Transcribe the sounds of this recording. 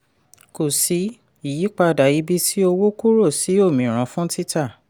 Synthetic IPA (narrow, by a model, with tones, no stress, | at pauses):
ko˨si˨˦ | i˨ji˨˦k͡pa˧˨da˨ji˨˦bi˧si˦o˧wo˦ku˦ɾo˦˨si˨˦o˦˨mĩ˨ɾ̃ã˨˧˦fũ˦ti˦ta˦˨